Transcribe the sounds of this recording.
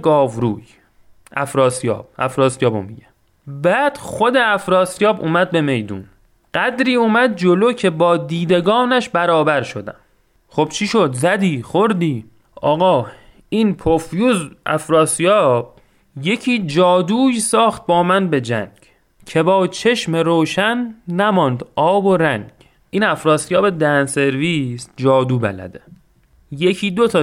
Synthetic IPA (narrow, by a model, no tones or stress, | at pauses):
ɡɒːvɾuːj | ʔæ̰fɾɒːsijɒ̰ːb̥̚æ̰fɾɒːsijɒːbo̰mːiɟæm | bæːd̪̥xo̞d̪eæfɾɒːsijɒːbuːmæd̪̚be̞me̞jd̪ṵn | ɢ̥æd̪ɾiːuːmæd̪̚d͡ʒo̞lo̞ːcʰe̞bɒːd̪iːd̪e̞ɡɒːnæʃbæɾɒːbæɾʃo̞d̪æ̰m | χo̞b̥t͡ʃʰiʃo̞d̪zæd̪iːxoɾd̪iː | ʔɒːɣɒː | iːnpʰofjuːzʔæ̰fɾɒːsijɒːb̥̚ | je̞cʰiːd͡ʒɒːd̪uːjsɒːxt̪̚bɒːmænbe̞d͡ʒæ̰ŋɡ̥ | cʰe̞bɒːt͡ʃʰe̞ʃmeɾoːʃænːæmɒnd̪ʔɒːbo̞ɾæŋɡ̥ | ʔiːnæfɾɒːsijɒːbe̞d̪ænse̞ɾviːsd͡ʒɒːd̪uːbæ̰læ̰d̪e | jecʰiːd̪o̞t̪ʰɒː